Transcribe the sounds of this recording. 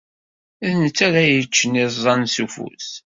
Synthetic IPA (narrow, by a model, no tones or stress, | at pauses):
æðnət͡sːæɾæjət͡ʃːənːiðzˤɑnsufṵs